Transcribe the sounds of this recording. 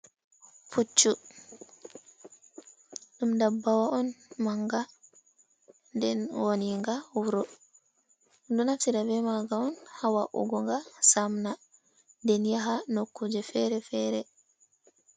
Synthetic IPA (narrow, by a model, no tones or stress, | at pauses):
put͡ʃːu | ɗumdabːawaʔɔnmaŋɡa | ndɛnwoniŋɡawuɾɔ | ndɔnatiɾabɛmaɡaɔnhawaʔṵɡɔŋɡasamna | ndɛnjaɦanokːud͡ʒɛfɛɾɛfɛɾɛ